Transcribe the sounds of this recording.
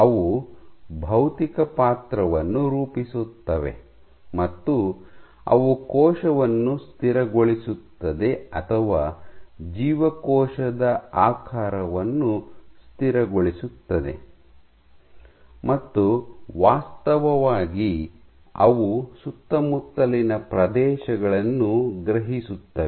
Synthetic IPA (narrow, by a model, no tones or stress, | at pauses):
ɐʋu | bʱɐwt̪ikɐpaːt̪ɾɐʋɐnːuɾuːpisut̪ːɐʋḛ | mɐt̪ːu | ɐ̰ʋukɔːʃɐʋɐnːust̪ʰiɾɐɡoɭisut̪ːɐd̪e̞ɐt̪ʰɐʋaːd͡ʒiːʋɐkɔːʃɐd̪ɐaːkʰaːɾɐʋɐnːust̪iɾɐɡoɭisut̪ːɐd̪e̞̰ | mɐt̪ːuʋaːst̪ɐʋɐʋaːɡi | ɐ̰ʋusut̪ːɐmut̪ːɐlinɐpɾɐd̪ɛːʃɐɡɐɭɐnːuɡɾɐɦisut̪ːɐʋ